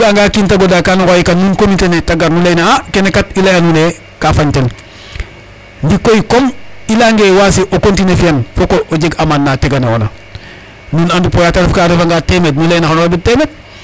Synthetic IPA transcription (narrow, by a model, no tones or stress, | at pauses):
ɡaŋɡaːkintaɡodakanukojikannunkomitenetaɡaɾnuleinaakenekatilajanune | kafaɲten | ndikoikomilaŋɡewasiʔokontinefianfokoʔoɟeɡamanːateɡanewo̰na̰ | nunandupojataɾefkaːɾefaŋɡaːtemet̬nulejnaxanoɾabitemet̚